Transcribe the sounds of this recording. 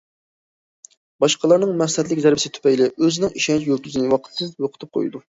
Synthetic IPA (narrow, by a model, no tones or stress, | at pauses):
bɑʃqəlˠɑɾnɨŋmɛslhɛt̪̬lɪkʲzæɾbɪsɪt̪ʰy̥pɛjlɪøzɪnɪŋiʃɛnt͡ʃʰjølkʲyzɨnɨwɑqʰə̥t̪ʰːɨnjoqʰət̪ʰɨp̚qʰo̰jd̪u